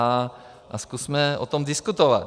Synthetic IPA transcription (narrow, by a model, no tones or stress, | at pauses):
a | ʔaskusmɛʔot̪omdɪskut̪ovat̪